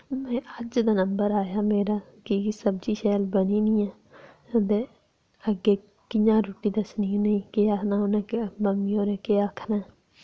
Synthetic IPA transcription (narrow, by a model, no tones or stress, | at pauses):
mɛ̃ːəd͡ʒd̪aːnəmbəɾaːjaːmeːɾaː | kisəbd͡ʒiːʃɛːlbəniːnĩːɛː | d̪eː | əɡːeː | kɪjãːɾuːʈiːd̪əsninĩːkeanaoːnɛːkməmiːoːɾeːkeːakʰnaː